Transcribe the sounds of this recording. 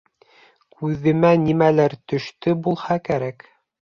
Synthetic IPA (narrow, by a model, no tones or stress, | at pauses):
kʰʉðɘ̆mænimælæɾt̪ɵ̆ʃt̪ɵbulˠhɑkæɾæk